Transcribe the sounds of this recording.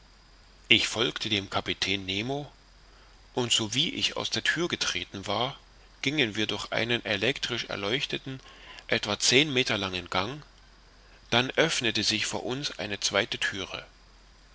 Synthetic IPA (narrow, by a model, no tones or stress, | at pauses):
ʔɪçfɔlktʰədeːmkʰapitʰɛːnːeːmo | ʔʊntz̥oviːʔɪ̰ça̰ʊsd̥eːɐtʰyːɐɡətʁ̥eːtn̩vaːɐ | ɡ̥ɪŋənviːɐdʊɐçʔa̰ɪnənʔelɛktʁ̥ɪʃɛ̰ɐlɔʏçtətn̩ʔɛtv̥at͡seːnmeːtɐlaŋənɡ̥aŋ | d̥anʔœfnətəzɪçfo̰ːɐʔʊnsʔa̰ɪnət͡sv̥aɪtətʰyːʁə̰